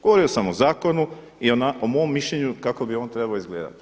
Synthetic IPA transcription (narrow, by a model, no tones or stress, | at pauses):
ɡ̥oʋo̞ɾio̞samozaːko̞nu | ionaomomːiʃʎeɲukako̞bio̞ːnt̪ɾe̞baoizɡle̞ːd̪a̰t̪i̥